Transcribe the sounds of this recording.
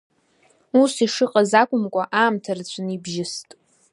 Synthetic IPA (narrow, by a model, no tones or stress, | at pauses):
usiʂɨqʼazakʷʼʊmkʷʼaʔaːmtʰart͡ɕʷʰɨnibʒɪstʼ